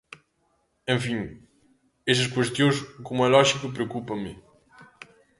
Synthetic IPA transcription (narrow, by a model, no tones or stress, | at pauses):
ẽfĩ | ɛʃɐʃkweʃt̪jõj̃ʃkomɐlɔʒikɐpɾeokupɐ̃mɨ